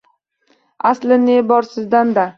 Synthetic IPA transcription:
aslɪnebɒɾsɪzd̪and̪a

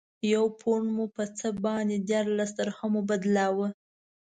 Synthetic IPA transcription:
jawpʰoɳmupət͡səbɑnd̪ed̪jɑɾlast̪əɾxamubad̪lɑwə

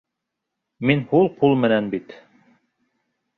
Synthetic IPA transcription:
minhulˠqulˠmɘ̆nænbit̪

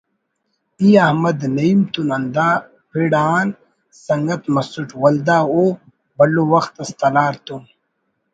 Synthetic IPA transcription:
iːɐhmɐd̪nɐimt̪unɐnd̪aː | pʰiɽaːn | sɐŋɡɐt̪mɐsuʈwɐld̪aːo | bɐlowɐxt̪ɐst̪ɐlaːɾt̪um

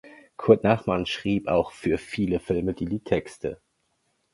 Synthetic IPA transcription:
kʰʊɐtnaχmanʃʁ̥iːpa̰ʊxfyːɐfiːləfɪlmədiːdiːtʰɛkstʰə̰

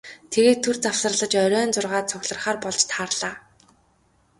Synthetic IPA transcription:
t̪ʰeɣeːt̪ʰːɵrt͡sawsə̆rɮə̆t͡ɕœɾʲœːnt͡sʊrʁaːt̪t͡sʰʊɣʲɮə̆rχaːrpɔɮt͡ɕt̪ʰaːrɮ̥aː

